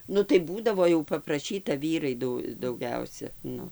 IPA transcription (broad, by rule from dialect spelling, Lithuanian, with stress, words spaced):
ˈnʊ tɐɪ ˈbuːdɐʋoː jɛʊ pɐprɐˈʃʲiːtɐ ˈʋʲiːrɐɪ ˈdʊ dɐʊˈɡʲɛʊsʲɛ ˈnʊ